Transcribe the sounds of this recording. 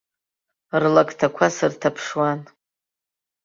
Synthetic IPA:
rlaktʰakʷʰasɨrtʰapʰʂwan

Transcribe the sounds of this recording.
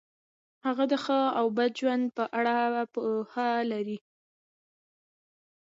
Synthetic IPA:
haɣad̪əxəawbad̪d͡ʒwand̪̚pəʔaɽapəhalaɾi

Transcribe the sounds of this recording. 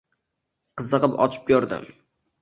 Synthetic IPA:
qʰɨzɨqɨpɒ̰t͡ʃʰɪ̥p̚jɒɾd̪ɪ̰m

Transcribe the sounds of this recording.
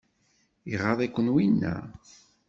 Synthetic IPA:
iʁɑðˤækʷːənwinːæ̰

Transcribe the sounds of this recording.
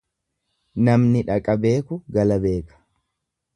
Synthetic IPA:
nɐmnɪᶑɐkʼɐbe̞ːkʊɡɐlɐbe̞ːkɐ̥

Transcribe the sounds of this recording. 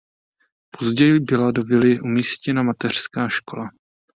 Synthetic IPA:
pʰo̞zɟɛjɪbɪlado̞vɪlɪʔumiːscɛnamat̪ɛr̝̥skaːʃko̞la

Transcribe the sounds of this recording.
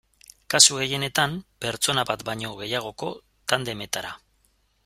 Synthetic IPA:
kasuɣe̞je̞ne̞t̪ampe̞ɾt͡so̞naβat̪bajɲo̞ɣ̞e̞jaɣ̞o̞ko̞ | t̪and̪e̞me̞t̪aɾa

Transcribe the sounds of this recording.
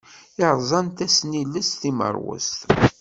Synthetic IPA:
ɪɾˤzˤɑnt̪æsnilːəst̪imə̰ɾˤwə̰st̪

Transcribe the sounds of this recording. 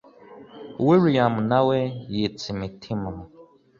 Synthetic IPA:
wiɾijamunawɛjet͡simitʰimum

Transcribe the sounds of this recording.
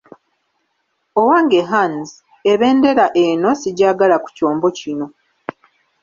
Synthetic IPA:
owaːŋɡeɦanz | eβe̞ːnde̞ɾaʔe̞no̞siɟaːɡalaku̥co̞ːmbo̞cino̞

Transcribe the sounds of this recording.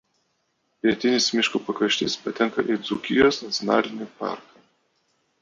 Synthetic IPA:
pʲiɛt̪ʲɪnʲɪsmʲɪʃkupɐkɐʃʲt̪ʲɪ̰spɐt̪ʲɛŋkɐ̰ʔid̪zʊkʲɪjosnɐt̪sʲɔnɑ̰ːlʲɪnʲɪpɑ̰ˑɾkɐ

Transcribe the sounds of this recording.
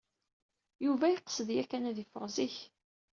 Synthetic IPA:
juvæjiqə̥səðjækːænæðifəʁziç

